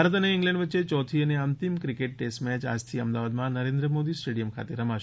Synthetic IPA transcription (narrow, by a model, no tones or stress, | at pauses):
aɾət̪əneɪ̃ŋɡlɛ̃ɳɖʋəːʃet͡ʃɔt̪ʰiəneənt̪imkɾikeʈ̚ːesʈmɛt͡ʃa̰d͡ʒt̪ʰiəmd̪aʋad̪mãnəɾẽnd̪ɾəmod̪isʈeɽijəmkʰa̰t̪eɾəmaʃ